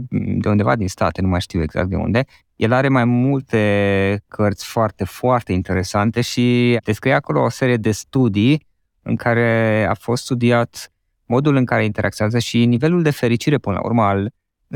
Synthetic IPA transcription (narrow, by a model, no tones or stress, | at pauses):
d̪e̞und̪e̞va̰d̪inst̪a̰t̪e̞numajʃt̪iwe̞ɡza̰k̚t̪d̪e̞̰ṵnd̪e̞ | jʔelaɾe̞majmult̪e̞kʰərt̪sʲfoart̪e̞foart̪e̞int̪e̞ɾe̞sant̪e̞ʃid̪eskɾijeako̞lo̞ːse̞ɾije̞d̪e̞st̪ud̪i | ɨ̰ŋkʰaɾe̞a̰fo̞st̪st̪ud̪iat̪ | mo̞d̪ulɨŋkaɾe̞int̪e̞ɾʔakt̪oazəʃinive̞luld̪e̞fe̞ɾit͡ʃiɾe̞pɨnəla̰ṵrməal